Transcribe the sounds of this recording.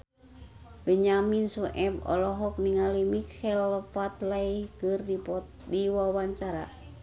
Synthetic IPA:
bəɲaminsuʔɛbɔ̰lɔɦɔk̚niŋalimikɛlfat̪lajkɨrdi | diwawaɲt͡ʃaɾa̰

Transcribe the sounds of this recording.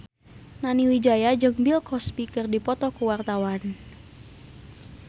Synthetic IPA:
naniwid͡ʒajad͡ʒɨŋbilkɔspikərdipɔt̪ɔkuwart̪awan

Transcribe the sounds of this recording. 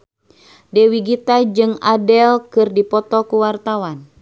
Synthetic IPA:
dɛwiɡit̪ad͡ʒɨŋadɛlkɨrdipɔt̪ɔkuwart̪awan

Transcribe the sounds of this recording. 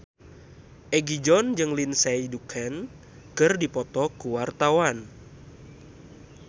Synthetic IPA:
ʔɛɡid͡ʒɔnd͡ʒɨŋlinsɛidukʰɛn | kɨrdipɔt̪ɔkuwart̪awan

